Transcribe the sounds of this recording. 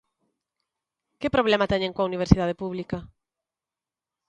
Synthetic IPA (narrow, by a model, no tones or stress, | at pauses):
kɪpɾoβ̞lɛmat̪ɛɲẽŋkoɐuniβ̞eɾsiðað̞epuβlikɐ